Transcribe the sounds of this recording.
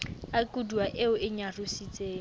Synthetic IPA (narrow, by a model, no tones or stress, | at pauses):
akʼuduaʔɪʊɪɲarusit͡sʼeː